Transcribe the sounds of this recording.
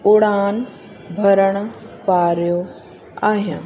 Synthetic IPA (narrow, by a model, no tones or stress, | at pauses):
ʊɽaːn | bʱəɾəɳ̃paːɾjo | aːɦjã̰ː